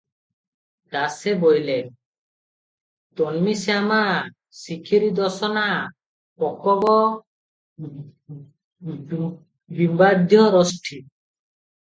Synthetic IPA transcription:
d̪asebɔjle | t̪ɔnmisama | sikʰiɾid̪ɔsɔna | pɔkɔbɔ | bimbad̪ʱjɔɾɔsʈʰi

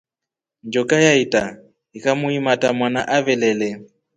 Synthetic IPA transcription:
nd͡ʒɔkʼajaitʼa | ɦikʼamʊimatʼamwanaʔavɛlɛlɛ

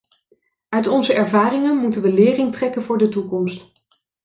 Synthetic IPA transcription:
œɥtɔnzəʔɛɹvaːrɪŋənmutənʋəlɪːrɪŋtrɛkənvʊːɹdətukɔmst

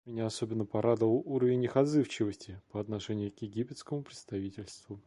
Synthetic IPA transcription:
mʲɪnʲaɐsobʲɪnːəpɐɾad̪əlˠuɾəvʲɪnʲɪxɐd̪zɨft͡ɕɪvəsʲtʲɪpəɐt̪nɐʂɛnʲɪjʊkjɪɡʲipʲɪt̪skəmʊpɾʲɪt̪st̪ɐvʲitʲɪlʲst̪vʊ

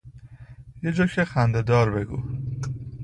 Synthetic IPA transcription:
jed͡ʒɒːcʰexænd̪ed̪ɒːɾbe̞ɡṵː

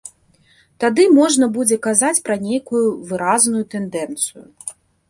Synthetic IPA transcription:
t̪ad̪ɨmɔʐnɐbud͡zʲɛkazat͡sʲpɾɐnʲejkujuvɨɾaznujut̪ɛnd̪ɛnt̪sɨjṵ

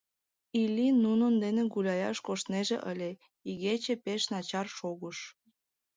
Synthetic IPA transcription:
ilʲinunənd̪eneɣulʲɑjɑʃkoʃt̪neʒḛʔəlʲe | iɣet͡ɕepeʃnɑt͡ɕɑrʃoɣəʃ

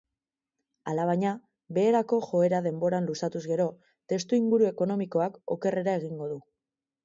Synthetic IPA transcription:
alaβ̞aɲa | βe̞ːɾako̞ʝo̞e̞ɾaðe̞mbo̞ɾanlusat̪uzɣe̞ɾo̞ | t̪e̞st̪uiŋɡuɾue̞ko̞no̞miko̞ako̞̰ke̞re̞ɾae̞ɣ̞iŋɡo̞ðu

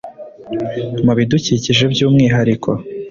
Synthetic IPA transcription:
muβiduciːciʒe̞bjuːmŋiːɦaɾikʰo̞

